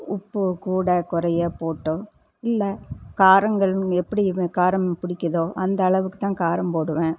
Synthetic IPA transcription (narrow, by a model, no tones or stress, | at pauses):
ʊpːɯkuːɽɐkʊɾɐjɐpoːʈːʊ̃ | ɪlːɐkaːɾɐŋɡɐɭɛpːɐɽikaːɾɐmpʊɽɪkʲːɐðoːʔɐnd̪ɐːɭɐʋɯkːɯ̥t̪ãːkaːɾɐmpoːɽɯʋẽː